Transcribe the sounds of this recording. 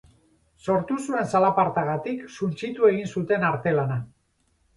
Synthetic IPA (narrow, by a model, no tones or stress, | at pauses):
so̞ɾt̪usue̞nsalapaɾt̪aɣat̪iksunt͡ʃit̪ue̞ɣ̞insut̪e̞naɾt̪e̞lana